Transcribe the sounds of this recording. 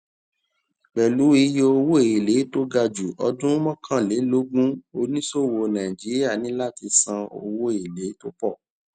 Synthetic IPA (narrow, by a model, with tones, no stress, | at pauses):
k͡pɛ˨lu˨˦i˧je˧o˧wo˦e˨i˨le˨˦to˦ɡa˧d͡ʒu˨ʔɔ˧dũ˦mɔ̃˦kʰã˦˨le˨˦lo˦ɡũ˦o˧nĩ˦so˦˨wo˧nã˨ĩ˨d͡ʒi˨˦ɾi˦a˦˨nĩ˨˦la˦˨ti˧sã˧o̰˧wo˦e˨le˨˦to˦pɔ˦˨